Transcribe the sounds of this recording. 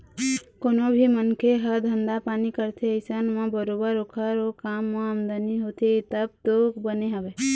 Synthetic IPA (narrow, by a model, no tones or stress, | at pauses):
konobʱimənkʰeɦəɾd̪ʱənd̪apanikəɾt̪ʰeəɪsənmãbəɾobəɾokʰəɾokamːãamd̪əniɦot̪ʰet̪əb̚t̪okbəneɦəbe